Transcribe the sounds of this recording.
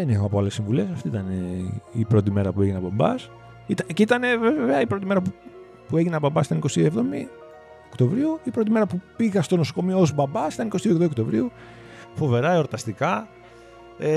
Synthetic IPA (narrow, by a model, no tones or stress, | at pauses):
ðenixoɐpoale̞sːiɱvule̞sɐft̪iit̪ɐneipɾo̞t̪̬ime̞ɾɐpue̞ʝinɐbɐbɐ̰s | it̪ɐceit̪ɐnevevveɐipɾo̞t̪imeɾɐpu | pue̞ʝinɐbɐmbɐsit̪ɐnikost̪ievðo̞mi | okt̪o̞vɾiuipɾo̞t̪ime̞ɾɐpupiɣɐst̪onosoko̞mioozbɐbɐsi̥t̪ɐniko̞st̪iuðomiokt̪o̞vɾiu | fo̞ve̞ɾɐeoɾt̪ɐst̪ikɐ | e